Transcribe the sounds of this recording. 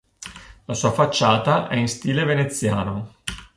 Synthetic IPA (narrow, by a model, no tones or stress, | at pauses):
lasuːafat͡ʃːaːt̪aʔɛinst̪iːlevenet̪sːjaːno